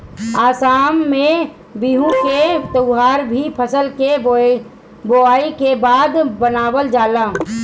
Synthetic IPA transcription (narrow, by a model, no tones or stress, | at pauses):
aːsaːmːẽ | biɦũket̪əʊɦaːɾbʱipʰəsəlke | boaːikebaːd̪bənaːwəld͡ʒaːla